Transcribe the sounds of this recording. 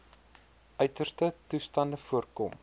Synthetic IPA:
ʔœɥtərstətustɐndəfuərkɔm

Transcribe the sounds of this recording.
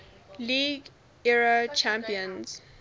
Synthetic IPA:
liːɡ | ɛɹat͡ʃãmpiə̃nz̥

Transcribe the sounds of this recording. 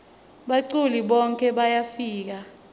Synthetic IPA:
ɓaǀuliɓɔŋkʼʰɛɓajafiːk̬a

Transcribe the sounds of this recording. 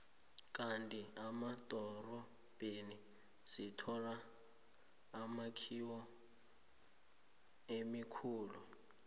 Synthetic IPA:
kʼantʼiamatʼɔrɔ | b̥eni | sitʰɔra | makʰiwɔ | emikʰuːlu

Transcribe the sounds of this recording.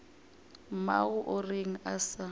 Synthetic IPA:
maɣʊʔʊreŋ̩asa

